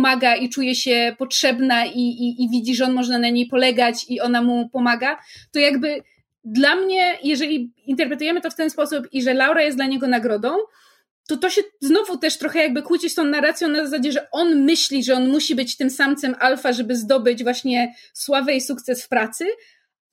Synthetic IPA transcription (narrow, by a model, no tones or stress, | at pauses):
maɡait͡ʂujɛɕɛpɔtʂɛbnaiiːvʲid͡ʑiʐɛɔnmɔʐnanaɲejpɔlɛɡat͡ɕiɔnamupɔmaɡat̪ɔjaɡbɘ | d̪lamɲɛjɛʐɛlʲiint̪ɛɾpɾɛt̪ujɛmɘt̪ɔft̪ɛnspɔsupiʐɛlawɾajɛst̪d̪laɲɛɡɔnaɡɾɔd̪ɔ̃w̃ | t̪ɔt̪ɔɕɛznɔvut̪ɛʂt̪ɾɔxɛjaɡ̚bɘkwut͡ɕit͡ɕt̪ɔ̃w̃naɾat̪sʲjɔ̃w̃nazasad͡ʑɛʐɛʔɔnmɘɕlʲiʐɛɔnmuɕibɘt͡ɕt̪ɘmsamt̪sɛmʔalfaʐɛbɘzd̪ɔbɘd͡ʑvwaɕɲɛswavɛjsuk̚t̪sɛsfpɾat̪sɘ